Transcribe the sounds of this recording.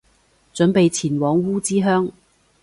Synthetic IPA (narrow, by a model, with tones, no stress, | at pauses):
t͡ʃɵ˨˥npe˨˧jt͡sʰiː˨˩nwɔː˨˥ŋwuː˥t͡siː˥ɦœː˥ŋ